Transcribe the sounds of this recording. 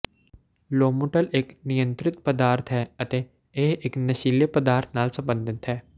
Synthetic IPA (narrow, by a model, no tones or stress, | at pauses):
loːmuʈəleːknɪjə̃nt̪ɾɪt̪pəd̪aːɾt̪ʰɦɛːɐt̪e | eɦeknɐʃiːləpəd̪aːɾt̪ʰnaːlsɐ̃mbə̃nd̪ʱɪt̪ɦɛː